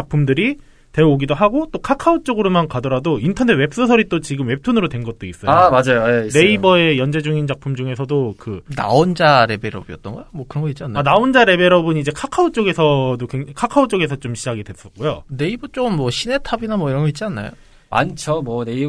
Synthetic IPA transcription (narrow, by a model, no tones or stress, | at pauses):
t͡ɕak̚pʰumdɯɾi | te̞oɡidoɦaɡot͈okʰakʰaot͡ɕ͈oɡɯɾomankadʌɾadointʰʌnetwe̞p̚s͈ʌsʰʌɾit͈ot͡ɕiɡɯmwe̞p̚tʰonɯɾodwenɡʌt̚t͈ois͈ʌjamad͡ʑajojene̞ibʌe̞jʌnd͡ʑe̞d͡ʑuŋint͡ɕak̚pʰumd͡ʑuŋe̞sʰʌdokɯna̰ond͡ʑaɾe̞be̞ɾʌbiʌt͈̚ʌnɡʌjomwʌkɯɾʌnɡʌit̚t͡ɕianːaanaond͡ʑaɾe̞be̞ɾʌbɯnid͡ʑe̞kʰakʰaot͡ɕ͈oɡe̞sʰʌdokweŋkʰakʰaot͡ɕ͈oɡe̞sʰʌt͡ɕ͈omɕʰid͡ʑaɡidwe̞s͈ʌk͈ojone̞ibʌt͡ɕ͈oɡnmwʌɕʰine̞tʰabinamwʌiɾʌnɡʌit̚t͡ɕ͈ianːa̰jo̰ | ma̰nt͡ɕʰʌmwʌne̞i